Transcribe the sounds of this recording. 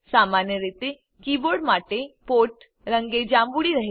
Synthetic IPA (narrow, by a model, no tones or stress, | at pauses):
samanjəɾet̪e | kiːboɾɖmaʈepoːʈ | ɾəŋɡed͡ʑambuɽiɾəɦe